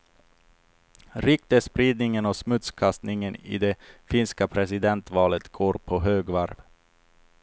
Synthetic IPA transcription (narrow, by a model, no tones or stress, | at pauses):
ɾʏk̚t̪əspɾiːd̪nɪŋənɔsmɵt̪skʰast̪nɪŋənɪ̰d̪ɛfɪnskapʰɾɛsɪd̪ɛnt̪vɑːlət̪ɡ̥oːɾpʰɔɦøːɡvaɾv